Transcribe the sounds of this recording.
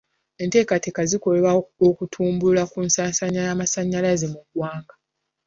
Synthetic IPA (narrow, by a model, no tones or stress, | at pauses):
e̞nte̞ːkate̞kaziko̞leβaokutʰuːmbulakuːnsasaɲːajaːmasaɲːalaze̞muɡwaːŋɡa